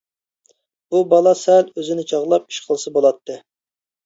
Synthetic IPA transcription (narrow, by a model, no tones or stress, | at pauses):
bubɑlˠɑsɛløzɪnɪt͡ʃʰɑʁlˠɑp̚i̥ʃqʰəlˠɨsɨbolˠɑt̪ʰːɨ